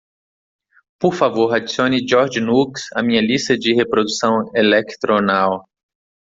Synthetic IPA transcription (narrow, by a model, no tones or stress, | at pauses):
poɾfavoɾad͡ʒisiõnɪd͡ʒɔɾd͡ʒnuksɐ̰mĩɲɐlist̪ɐd͡ʒɪhepɾod̪usɐ̃w̃elekt̪ɾonaw